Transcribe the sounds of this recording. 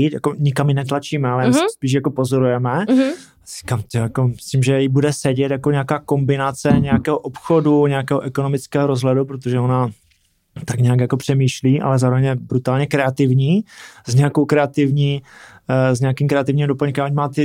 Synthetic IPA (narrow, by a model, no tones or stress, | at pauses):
t̪ja̰koɲɪkamjɪnɛt̪lat͡ʃiːmɛalɛjaːsɛspiːʃ̬jako̞pozo̞ɾujɛmɛ | r̥ikaːmt̪ojjako̞mɪsɪmʒɛjɪbudɛsɛɟɛt̪jakoɲɛakaːko̞mbɪnat͡sɛɲɛjakɛːɦoʔopxoduɲɛakɛːɦoʔɛkono̞mɪt͡skɛːɦoɾozɦlɛdupɾot̪oʒɛo̞na | t̪akɲɛakjako̞pr̝̥ɛmiːʃliːʔa̰lɛzaːɾovɛɲjɛbɾut̪aːlɲɛkɾɛat̪ɪvɲiːzɲɛako̞wkɾɛat̪ɪvɲiː | zɲɛakiːmkɾɛat̪ɪvɲiːmdopəɲkɛmaʔoɲmaːt̪ɪ